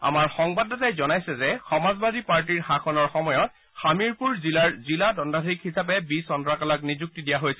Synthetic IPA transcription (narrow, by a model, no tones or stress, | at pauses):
a̰maɹxɔŋbadɔtajzɔnajsɛzɛxɔmazbadipaɹt̬iɹxakʰɔnɔɹxɔmɔjɔt | xamiɹpuɹzilaɹziladɔndadʱikhisap̬ɛbisɔndɹakalaknizuk̚tidijaɦojsɛ